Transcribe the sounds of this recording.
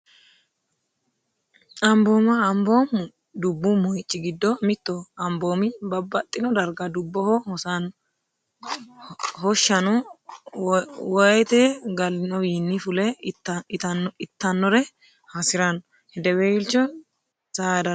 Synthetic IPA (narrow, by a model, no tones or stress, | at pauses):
ɐmboːmɐːmboːm | d̪ʊbːʊmɔjɪt͡ʃʼːɪɡɪd̪ːɔmɪt̪ːɔɐmboːmɪbɐbːɐt̪ʼːɪnɔd̪ɐɾɡɐd̪ʊbːɔhɔhɔsɐn | hɔʃːɐnɔ | wɐjt̪ɛɡɐlːɪnɔwiːnːifʊlɛt̪ɐnɪt̪ːɐnːɔɾɛ | hɐsɪɾɐnɔ | hɛd̪ɛwɛɪlt͡ʃːɔ | sad̪ɐ